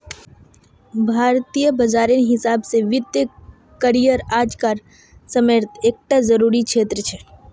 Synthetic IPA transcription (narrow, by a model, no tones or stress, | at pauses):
bʱaːɾt̪ijəbəd͡ʒaːɾenɦɪsaːbseʋɪd̪jə | kəɾijəɾaːd͡ʒkaːɾ | səməɾt̪ʰeːk̚ʈazəɾuːɾikʃʰeːt̪ɾət͡ʃʰɛː